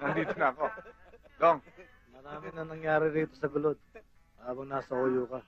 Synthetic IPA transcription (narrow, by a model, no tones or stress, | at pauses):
ɐnd̪iːt̪onɐɐko̞d̪oŋ | mɐɾaːmɪnɐŋnɐŋjaːɾɪɾiːt̪o̞sɐɡʊlo̞d̪̚ | haːbɐŋnaːsɐʔojʊkɐ